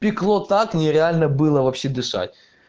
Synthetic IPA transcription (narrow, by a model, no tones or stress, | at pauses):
pʲɪklˠot̪aknʲɪɾʲɪalʲnəbɨlˠəvɐpɕːed̪ɨʂa̰t̚ʲ